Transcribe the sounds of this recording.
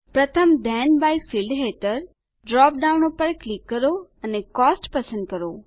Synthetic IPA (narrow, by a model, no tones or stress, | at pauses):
pɾɐt̪ʰəmd̪ʱɛːnbaːifiːlɖɦeʈəɾ | ɖɾɔːpɖaːʊnopəɾklikːəɾoɐnekɔːsʈpɐsə̃nd̪̚kɐɾoː